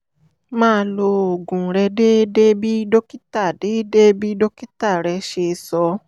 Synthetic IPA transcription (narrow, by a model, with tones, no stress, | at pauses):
mãː˦˧lo˧o˨ɡũ˨ɾɛ˧de˦de˦bi˦do˦ki˦ta˦˨de˨˦de˦bi˦do˦ki˦ta˦˨ɾɛ˧ʃe˧˨˧sɔ˧